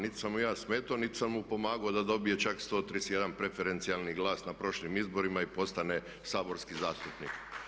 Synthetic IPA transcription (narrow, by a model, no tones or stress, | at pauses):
nit̪i̥samujaːsmeːt̪onit̪i̥sammupo̞maːɡaod̪ad̪o̞bije̞t͡ʃakst̪o̞ːt̪ɾisjed̪anpɾe̞feɾe̞nt̪sialˠniɡlˠaːsnapɾo̞ʃlimizbo̞ɾimaipo̞st̪ane̞ | saːbo̞ɾskizaːst̪upnḭk